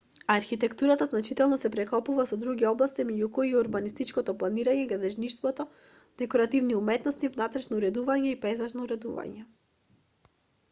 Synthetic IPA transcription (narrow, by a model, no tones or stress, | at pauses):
aɾxit̪ɛkt̪uɾat̪aznat͡ʃit̪ɛlˠnɔsɛpɾɛkɔpuvasɔd̪ɾuɡʲiɔblˠast̪imɛɟukɔiuɾbanist̪it͡ʃkɔt̪ɔplˠaniɾaɲɛɡɾad̪ɛʒnit͡ʃt̪vɔt̪ɔ | d̪̥ɛkɔɾat̪ivniumɛt̪nɔst̪ivnat̪ɾɛʃnɔuɾɛd̪uvaɲɛipɛzaʒnɔuɾɛd̪ṵva̰ɲɛ